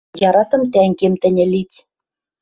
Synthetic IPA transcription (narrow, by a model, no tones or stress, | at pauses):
jɑɾɑt̪ɤ̆mt̪æŋɡemt̪ɘ̆nʲɘ̆lit͡sʲ